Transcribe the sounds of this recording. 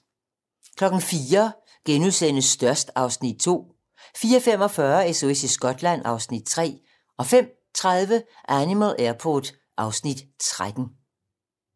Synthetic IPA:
kʰlɒ̽ɡ̥n̩fiːɐ | ɡ̥enuðˠsen̰əsːd̥ɶɐsd̥ɑ̈ʊsnid̥̚t͡sʰo̝̰ː | fiːɐfem̰ɒ̽fɶːɐeso̝esisɡ̥ɒ̽d̥læn̰ɑ̈ʊsnid̥̚t͡sʰʁɛ̰ː | ɒ̽fem̰ | t͡sʰʁað̞ˠʋəʔænimælˠʔeɐpʰɔ̰d̥ | ʔɑ̈ʊsnid̥t͡sʰʁad̥n̩

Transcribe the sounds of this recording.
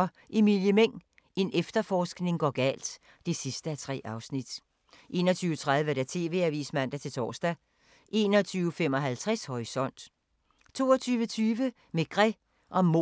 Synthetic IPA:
ɒ | ʔe̝miljəmeŋ̰ | e̝nefd̥ɐfɒːsɡ̥ne̝ŋɡ̥ɒɡ̥ɛ̰ːld̥ | d̥e̝sisd̥əæt͡sʰʁɛ̰ːʔɑ̈ʊsnid̥ | ʔe̝̰ːnɒt͡sʰyːʊə̥t͡sʰʁaðˠʋəɾ̥æt͡sʰe̝̰ːʋe̝ːæʋḭːsmæn̰d̥æt͡sʰe̝lt͡sʰɒ̰ːsd̥æ | ʔe̝̰ːnɒ̽t͡sʰyːʊəfemɒ̽ɦælt͡sʰʁashɒʁisɒ̽n̰d̥ | t͡sʰo̝̰ːɒt͡sʰyːʋət͡sʰyːʋə | meɡ̥ʁɛ | ʔɒ̽mo

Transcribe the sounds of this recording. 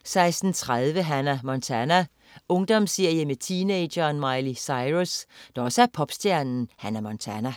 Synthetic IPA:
sɑ̈ɪsd̥n̩t͡sʰʁað̞ˠʋəɦænæɐmɒnt͡sʰænæ | ɔ̽ŋd̥ɒ̽msiɐ̰jəmet͡sʰiːneɪ̥jɐːnmɑ̈ɪlisɑ̈ɪʁusd̥ɑɒ̽səæɐpʰɒ̽b̥sd̥jæɐnn̩hænæɐmɒnt͡sʰænæ

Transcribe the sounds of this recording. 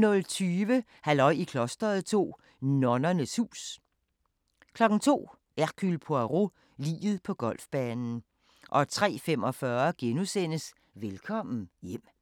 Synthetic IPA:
nɔ̽lt͡sʰyːʋə | hælɒ̽ɪ̰ikʰlɔsd̥ɐð̞̩ˠt͡sʰo̝̰ː | nɒnɐnəshṵːs | kʰlɒ̽ɡ̥n̩t͡sʰo̝̰ː | ʔæɐkʰylpʰoæʁo | lḭːð̞̩ˠpʰɒ̽ɡ̥ɒ̽l̰fb̥ɛːnn̩ | ʔɒ̽t͡sʰʁɛ̰ːfem̰ɒ̽fɶːɐɡ̥enusen̰əs | ʋelkʰɒ̽m̰n̩jem̰

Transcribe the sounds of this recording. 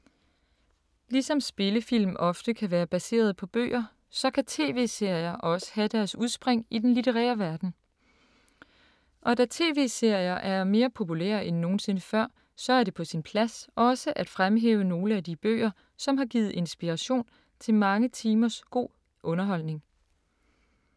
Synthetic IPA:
lisɒ̽msb̥e̝ləfil̰mʔɒ̽fd̥əkʰæʋæːɐb̥æse̝̰ːɐð̞̩ˠpʰɒ̽b̥ø̰ːɐ | sɒ̽kʰæt͡sʰe̝̰ːʋe̝̰ːse̝ɐ̰jɐʔɒ̽sə̥hæd̥æɐsuð̞ˠsb̥ʁeŋ̰id̥enlit͡sʰeʁɛ̰ːɐʋæɐd̥n̩ | ʔɒ̽dæt͡sʰe̝̰ːʋe̝̰ːse̝ɐ̰jɐʔæɐme̝ːɐpʰo̝pʰulḛːɐʔenːo̝ːn̩se̝nəfɶɐ̰ | sɒ̽æɐɾe̝pʰɒ̽sinpʰlæsʔɒ̽səʔæd̥fʁamɦḛːʊəno̝ːləæd̥ib̥ø̰ːɐ | sɒ̽mɦɑ̈ɡ̥iːð̩ˠe̝nsb̥iʁɑ̈ɕo̝̰ːn | t͡sʰe̝lmɑ̈ŋət͡sʰiːmɐsɡ̥o̝̰ː | ʔɔ̽nɐɦɒ̽l̰ne̝ŋ

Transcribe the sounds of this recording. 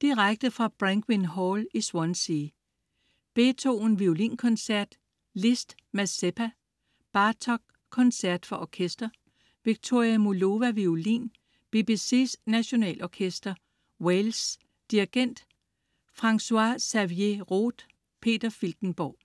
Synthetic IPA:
d̥iʁaɡ̥̚d̥əfʁɑ̈b̥ʁaŋɡ̥winɦɒliswɒnsiː | b̥e̝t͡sʰo̝̰ːn̩ʋiolḭːnkʰɒ̽nsæɐ̰d̥ | lesd̥ | mæseb̥ʰæ | b̥ɑ̈ːt͡sʰɒ̽ɡ̥̚ | kʰːɒ̽nsæɐd̥fɒ̽ʔɒkʰesd̥ɐ | ʋiɡ̥̚t͡sʰo̝ɐ̰iæmolo̝ʋæʋiolḭːn | b̥e̝b̥ise̝̰ːsnæɕo̝nɛ̰ːlʔɒkʰesd̥ɐ | wels | d̥iɐɡ̥en̰d̥ | fʁɑ̈ŋsuɑsæʋie̝ʁo̰ːd̥ | pʰe̝̰ːd̥ɐfilɡ̥n̩b̥ɒ̰ː

